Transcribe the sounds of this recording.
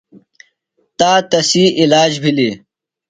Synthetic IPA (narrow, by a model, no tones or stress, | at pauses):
t̪aːt̪ɐsiːʔilaːd͡ʑbʱili